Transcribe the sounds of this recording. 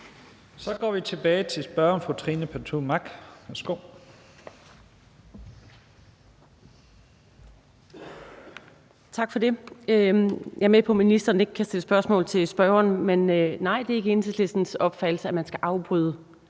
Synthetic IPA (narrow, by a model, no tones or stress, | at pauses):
sɒ̽ɡ̥ɒ̰ːʋit͡sʰe̝b̥ɛːɪt͡sʰe̝lsb̥ɶɐɒmfʁut͡sʰʁiːnəpʰæɐt͡sʰumɑ̈ɡ̥ʋæɐsɡ̥oʊ̰ | t͡sʰɑ̈ɡ̥fɒd̥e̝ | jɑ̈ɐmepʰɒ̽minisd̥ɐːne̝ɡ̥ə̥kʰːæsd̥eləsb̥ɶɐsmɔ̰̽ːlt͡sʰe̝sb̥ɶɐʊɐnmennɑ̈ɪ̰d̥e̝æɐe̝ɡ̥əe̝nsesle̝sd̥n̩sɒ̽b̥fæd̥l̩səæmænsɡ̥æʔɑ̈ʊb̥ʁyːðˠə